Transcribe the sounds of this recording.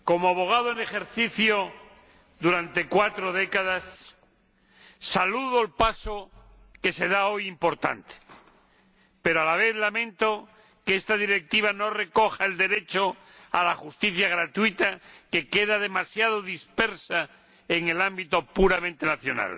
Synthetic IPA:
ko̞moaβo̞ɣ̞aðoene̞xe̞ɾθiθjo | ðuɾant̪e̞kwat̪ɾo̞ðe̞kaðas | aluðoelpaso | ke̞se̞ð̞ao̞jimpo̞ɾt̪a̰nt̪e̥ | pe̞ɾoalaβ̞e̞θlamẽnt̪o̞ | keest̪aðiɾe̞k̚t̪iβ̞ano̞re̞ko̞xaeld̪e̞ɾe̞t͡ʃo | alaxust̪iθjaɣ̞ɾat̪uwit̪ake̞ke̞ðaðe̞masjað̞o̞ðispe̞ɾsa | eŋe̞lambit̪o̞puɾamẽnt̪enaθjo̞na̰l

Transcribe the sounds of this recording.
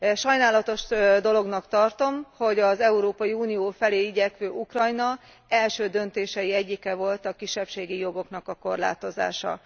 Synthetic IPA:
ʃɒjnaːlɒt̪o̞ʃd̪o̞lo̞ɡnɒkt̪ɒrt̪o̞mho̞ɟɒzɛuɾoːpɒjiuːnijoːfɛleːiɟɛkʋøːʔukrɒjnɒ | ɛlʃøːd̪ønt̪eːʃɛjiɛɟːikɛvo̞lt̪ɒkiʃːɛpʃeːɡijo̞ɡo̞kn̪ɒkɒko̞rla̰ːt̪o̞za̰ːʃɒ̰

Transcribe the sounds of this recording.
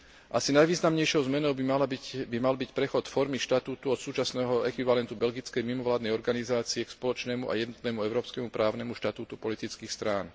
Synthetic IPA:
ʔasinajʋiːznamɲɛjʃɔʊzmɛnɔʊbimalbimalbicpɾɛxɔt̪fɔɾmiʃt̪at̪uːt̪uɔt̪suːt͡ʃasnɛːɦɔɛkʋiʋalɛnt̪ubɛlɡit͡skɛjmimɔʋlaːd̪nɛjɔɾɡanizaːt͡siɛkspɔlɔt͡ʃnɛːmuʔa̰jɛd̪nɔt̪nɛmuɛʊɾɔːpskɛmupɾʔaːʊnɛmuʃt̪at̪uːt̪upɔlit̪it͡skiːxst̪ɾaːn

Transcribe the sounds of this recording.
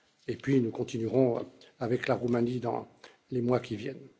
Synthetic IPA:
epɥinukɔ̃t̪inyʁɔ̃avɛklaʁumanid̪ɑ̰̃ | lemwakʲivjɛn

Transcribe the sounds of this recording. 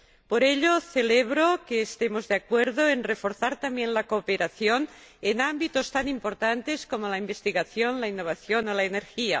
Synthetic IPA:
poɾeʎoθeleβ̞ɾokeːst̪emozðeakweɾðoenrefoɾθaɾt̪ambjenlakoːpeɾaθjon | enambit̪ost̪animpoɾt̪ant̪eskomolaimbest̪iɣaθjonlainːoβ̞aθjonolaeneɾxia̰

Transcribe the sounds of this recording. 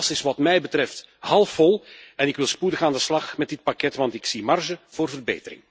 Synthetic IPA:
sɪsʋɑtmɛjbətɾɛfthɑlˠfɔlˠɛnɪkʋɪlˠspudəxaːndəslɑxmɛt̚dɪt̚pakɛtʋɑntɪksimɑrʒəv̥oːrvərbḛːtəɾɪ̰ŋ

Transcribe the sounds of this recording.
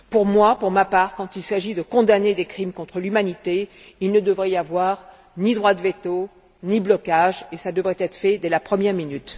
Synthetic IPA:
puʁmwapuʁmapaːʁkɑ̃t̪ilsaʒid̪əkɔ̃d̪aned̪ekχimkɔ̃t̪χəlymanit̪e | ilnəd̪əvʁɛjavwaʁ | nid̪ʁwad̪əvet̪o | niblɔkaʒesad̪əvʁɛt̪ɛt̪χə̥fɛd̪ɛlapχəmjɛʁminyt̪

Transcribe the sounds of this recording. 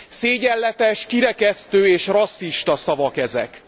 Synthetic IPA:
seːɟɛlːɛt̪ɛʃkiɾɛkɛst̪øːeːʃrɒsːiʃt̪ɒsɒvɒkɛzɛ̰k

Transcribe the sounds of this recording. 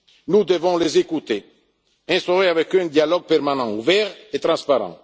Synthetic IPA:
nud̪əvɔ̃lezekut̪e | ɛ̃st̪oʁeavɛkøɛ̃d̪jalɔɡ̚pɛʁmanɑ̃uvɛʁet̪ɾɑ̃spaʁɑ̰̃

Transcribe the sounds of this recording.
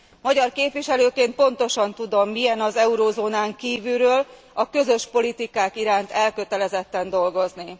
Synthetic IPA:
mɒɟɒrkeːpʋiʃɛløːkeːnt̪̚po̞n̪t̪o̞ʃɒnt̪ud̪o̞mːijɛnɒzɛuɾoːzoːnaːŋkiːvylɾøːl | ɒkø̞zø̞ʃpo̞lit̪ikaːkiɾaːnt̪ɛlkø̞t̪ɛlɛzɛt̪ːɛnd̪o̞lɡo̞zni

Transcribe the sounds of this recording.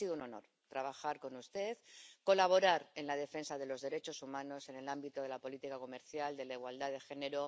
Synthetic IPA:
siðouno̞no̞̰ɾ | t̪ɾaβ̞axaɾko̞nust̪e̞ðko̞laβ̞o̞ɾaɾe̞nlað̞e̞fe̞nsaðe̞lo̞zðe̞ɾe̞t͡ʃo̞sumãno̞se̞ne̞lambit̪oð̞e̞lapo̞lit̪ikako̞me̞ɾθjald̪e̞laiɣwald̪aðe̞xe̞ne̞ɾo

